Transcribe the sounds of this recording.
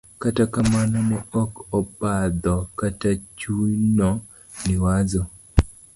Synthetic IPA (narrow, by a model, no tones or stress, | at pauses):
katakamanɔmɔɔkɔpad̪ɔkatat͡ʃunɔ | nɪwad͡ʒɔ